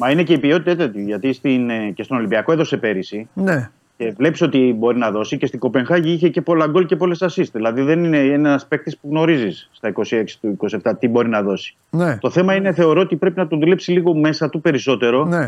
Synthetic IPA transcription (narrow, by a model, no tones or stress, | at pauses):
mɐine̞ce̞ipio̞t̪it̪ɐt̪ɐt̪iʝɐt̪ist̪incest̪ono̞limbiɐko̞eðo̞sepe̞ɾisine | ce̞vle̞pi̥so̞t̪ibo̞ɾinɐðo̞sicest̪iŋɡo̞pe̞ŋxɐʝiiçe̞ce̞po̞lɐɡo̞lce̞po̞le̞sɐsisðilɐðiðe̞nine̞enɐɐspe̞k̚t̪ispuɣno̞ɾizisːt̪ɐiko̞sie̞ksi̥t̪uiko̞sieft̪ɐt̪ibo̞ɾinɐðo̞si̥ | net̪o̞θe̞mɐine̞θe̞o̞ɾo̞ot̪ipɾe̞pinɐt̪oðule̞psiliɣo̞me̞sɐt̪upe̞ɾiso̞t̪e̞ɾo̞ne